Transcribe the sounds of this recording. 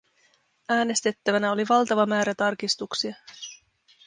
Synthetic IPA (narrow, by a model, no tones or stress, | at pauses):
æːne̞st̪e̞t̪ːæʋænæo̞liʋɑlt̪ɑʋɑmæːɾæt̪ɑrkist̪uksiɑ